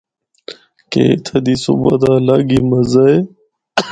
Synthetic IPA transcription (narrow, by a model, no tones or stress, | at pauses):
kḛːɪ̰t̪ʰəd̪iːsṵbəd̪aːlaːɡiːməzəeː